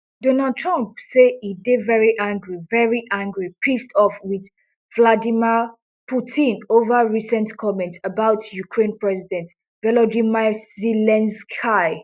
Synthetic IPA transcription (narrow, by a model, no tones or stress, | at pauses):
d̥ɔ̃nald̚tʰɹãmpseidevɛɹiʔãŋɡɹivɛɹiʔãŋɡɹipʰistɔfwið | vladimi | pʰutʰĩnovəɹisɛ̃ntkʰɔmɛ̃ntsəbaʊtjukʰɹẽnpɹɛsidɛ̃nt | vɛlɔdimazilɛ̃nskaɪ